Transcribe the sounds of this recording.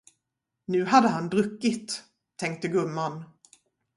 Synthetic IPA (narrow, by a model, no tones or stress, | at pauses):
nʉ̟ːɦad̪ːəɦand̪ɾɵkːɪt̪ʰː | ɛŋk̚t̪əɡɵmːan